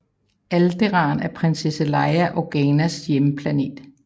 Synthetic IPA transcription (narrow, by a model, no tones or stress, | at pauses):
æld̥eʁɑ̰̈ːnæɐpʰʁensesəlɑ̈ɪæʔɒɡ̥ɛnæsjeməpʰlæne̝̰ːd̥